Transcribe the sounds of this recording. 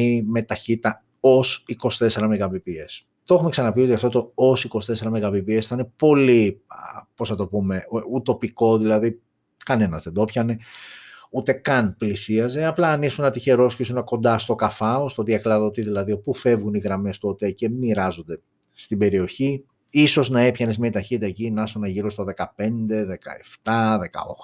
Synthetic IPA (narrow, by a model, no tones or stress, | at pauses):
ime̞t̪ɐçit̪ɐ | o̞siko̞st̪e̞se̞ɾɐmeɣɐvipie̞s | t̪o̞xumeksɐnɐpio̞t̪iɐft̪ot̪oosiko̞st̪e̞se̞ɾɐmeɣɐvipie̞sθɐnepo̞li | po̞snɐt̪opume̞ut̪o̞piko̞ðilɐði | kɐne̞nɐzðe̞nd̪o̞pçɐne̞ | ut̪e̞kɐnplisiɐze̞ɐplɐːnisunɐt̪içe̞ɾo̞scesunɐko̞nd̪ɐst̪o̞kɐfɐost̪o̞ðiɐklɐðot̪iðilɐðio̞pufe̞vɣuniɣɾɐme̞st̪o̞t̪e̞ce̞miɾɐzo̞nd̪e̞ | st̪ibe̞ɾio̞çi | iso̞znɐe̞pçɐnezmiɐit̪ɐçit̪it̪ɐecinɐsonɐʝiɾo̞st̪o̞ðe̞kɐpe̞nd̪e̞ðe̞kɐ̰eft̪ɐðe̞kɐ̰o̰xo